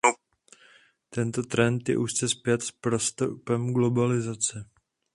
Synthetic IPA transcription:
t̪ɛnt̪o̞t̪ɾɛnt̪jɛ̰ʔust͡sɛspjɛt̪spɾost̪upɛmɡlo̞balɪzat͡sɪ

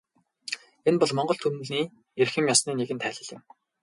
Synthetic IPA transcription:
enpɔɮmɔɴɢɞ̆ɬt̪ʰunɘ̆ɮniː | erxɘ̆mjɔsniːneɣɘ̆nt̪ʰæːɮə̆ɮɪ̆m

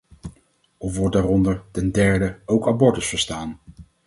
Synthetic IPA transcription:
ɔfʋɔɹ̚daːrɔndəɹtɛndɛɹdəowkabɔɹtəsfəɹstaːn

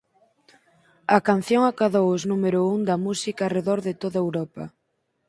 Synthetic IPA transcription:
ɐkanθjoŋakaðowʊznumeɾouŋd̪ɐmusikaːreðɔɾðɪt̪oðaewɾɔpɐ

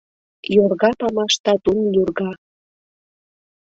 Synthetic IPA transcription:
jorɣɑpɑmɑʃt̪ɑt̪unjurɣɑ

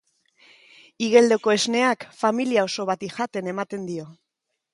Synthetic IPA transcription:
iɣe̞ld̪e̞ko̞e̞zne̞akfamiliao̞so̞β̞at̪iʝat̪e̞ne̞mat̪e̞nd̪io̞

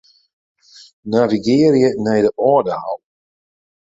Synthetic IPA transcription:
naviɡɪːɾiənɛjdəʔɔːdəha̰lˠ

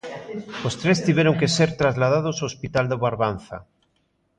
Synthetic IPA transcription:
ost̪ɾest̪iβeɾoŋkeseɾt̪ɾazlað̞að̞osoospit̪ald̪eβaɾβan̟θa̰

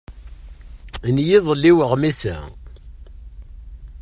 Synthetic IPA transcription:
njiðˤlːiwəʁmisæ̰

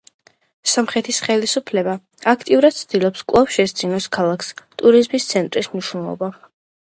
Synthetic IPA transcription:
samχɛt̪ʰisχɛlisupʰlɛba | akʰt̪ʼiuɾad̪̥̚t̪sʰd̪ilˠɔpskʼvlˠafʃɛsd̪zinɔskʰalˠakʰst̪ʼuɾizmist̪sʰɛnt̪ʼɾismniʃwnɛlˠɔ̰ba

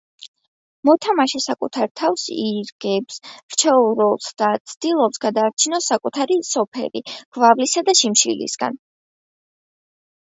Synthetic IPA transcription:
mɔt̪ʰamaʃɛsakʼut̪ʰaɾt̪ʰafsiɾɡ̥ɛpsɾt͡ʃʰɛuɾɔlˠsd̪at̪sʰd̪̥ilˠɔpsɡad̪aːɾt͡ʃʰinɔsakʼut̪ʰaɾisɔpʰɛ̰lḭɡ̥vavlisad̪aʃimʃḭlḭsɡ̥a̰n

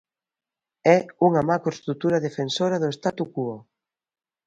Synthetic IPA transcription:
ɛuŋɐmakɾost̪ɾut̪uɾɐðefensoɾɐðʊest̪at̪ukuo

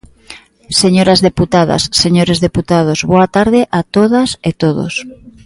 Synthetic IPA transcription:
seɲoɾazðeput̪aðɐ̰sːeɲoɾezðeput̪að̞ozβoat̪aɾðɪʔat̪oðaset̪oðo̰s

